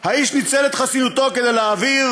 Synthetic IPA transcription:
haiʃnit͡selet̪χasinut̪o̞ked̪ejleːviv

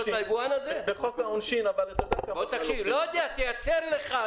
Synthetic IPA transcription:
otlajɡuanazebeχokaonʃinavalet̪od̪akabot̪akʃivlojd̪eat̪ejat͡seʁle̞χa

